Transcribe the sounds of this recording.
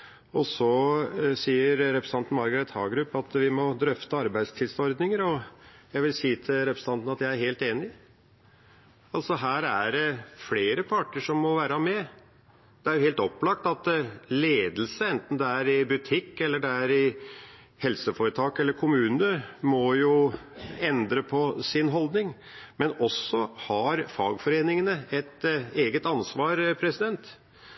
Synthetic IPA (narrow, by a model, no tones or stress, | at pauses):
ɔsɔsiːəɾɾɛpɾəsɑnnɑɾɡəɾɛt̪hɑ̰ːɡɾʉpːɑt̪ʋɪmɔd̪ɾœft̪əɑɾbæɪst̪ʰɪlsɔɾd̪nɪŋəɾɔjæɪʋɪlsiːt̪ʰɪlɾɛpɾəsəɑnt̪n̩ɑt̪jæɪæɾheːlt̪eːnɪ | ɑlsɔɦæːɾæɖɛfleːɾəpʰɑʈːəʂɔmːɔʋæːɾəmɛ | d̪̥ɛæɾjʊheːlt̪ɔpːlɑkt̪ɑt̪leːd̪l̩səɛnt̪n̩d̪ɛæɾɪbʉt̪ʰɪkːɛlːəɖɛæɾɪ | hɛlsəfoːɾət̪ʰɑːkɛlːəɾkʰʊmʉːnəmɔjʊ | ɛnd̪ɾəpʰɔsɪnɦɔld̪nɪŋ | mɛnɔsːɔhɑɾfɑːɡfɔɾeːnɪŋənəɛt̪eːɡət̪ɑnsʋɑːɾpʰɾɛsɪd̪ɛnt̪